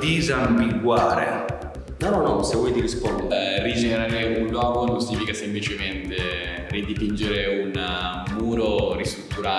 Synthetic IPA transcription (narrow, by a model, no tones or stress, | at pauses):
d̪izambiɡwaːɾḛ | nɔnɔnɔsevːɔjt̪iɾispɔnd̪rid͡ʒeneɾaːɾeunlwɔːɡonũnsiɲifikasemplit͡ʃement̪e | rid̪ipind͡ʒeɾeun | muːɾoɾist̪ɾut̪ːuɾaː